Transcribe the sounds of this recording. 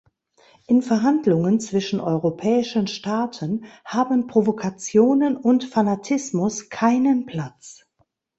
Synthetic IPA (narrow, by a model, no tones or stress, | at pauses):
ʔɪnfɛɐɦandlʊŋənt͡sv̥ɪʃn̩ʔɔʏʁopʰɛːɪʃənʃtaːtʰənhaːbən̩pʁ̥ovokʰat͡sjoːnənʊntfanatʰɪsmʊskʰaɪnənpʰl̥at͡s